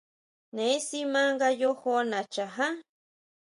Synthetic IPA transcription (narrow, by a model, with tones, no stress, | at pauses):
ne˨˦si˦ma˦ŋɡa˦jo˦xo˦na˨t͡ʃa˨ɦa˦